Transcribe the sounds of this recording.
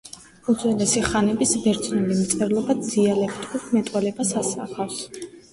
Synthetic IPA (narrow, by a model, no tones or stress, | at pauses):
uzwɛlɛsiχanɛbisbɛɾt̪sʰnɛlimt̪sʼɛɾlˠɔbad̪d̪ialɛkʰt̪ʼuɾmɛt̪ʼwɛlɛbasasaχafs